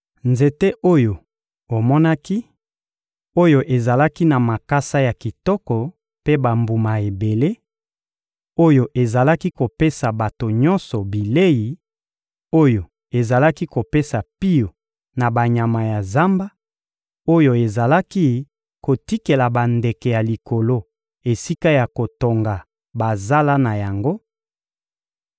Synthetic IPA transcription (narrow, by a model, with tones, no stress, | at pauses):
nze˨te˦ʔo˦jo˨ | o˨mɔ˦na˦ki˦ | o˦jo˨ʔe˨za˨la˦ki˦na˨ma˨ka˦sa˦ja˨ki˨tɔ˦kɔ˨ | pe˦ba˨mbu˨ma˨e˨be˨le˦ | o˦jo˨ʔe˨za˨la˦ki˦ko˨pe˦sa˨ba˨to˨ɲɔ˦nsɔ˨bi˨le˦ji˨ | o˦jo˨ | e˨za˨la˦ki˦ko˨pe˦sa˨pi˦jo˨ | na˨ba˨ɲa˨ma˨ja˨za˦mba˦ | o˦jo˨e˨za˨la˦ki˦ | ko˨ti˦ke˨la˨ba˨nde˨kɛ˨ja˨li˨ko˨lo˦ | e˨si˦ka˦ja˨ko˨to˨ŋɡa˨ | ba˨za˦la˦na˨ja˨ŋɡo˦